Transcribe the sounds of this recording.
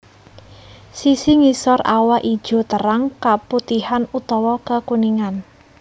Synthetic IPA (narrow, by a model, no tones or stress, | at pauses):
sisiŋisɔrawaʔi̥ʒ̥ɔ̤t̪əɾaŋkaput̪ihanut̪ɔwɔkəkuniŋan